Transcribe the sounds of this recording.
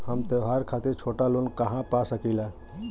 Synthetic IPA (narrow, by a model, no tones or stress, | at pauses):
həmt̪əɦaɾkʰat̪iɾt͡ʃʰoʈalonkəɦãpasəkɛila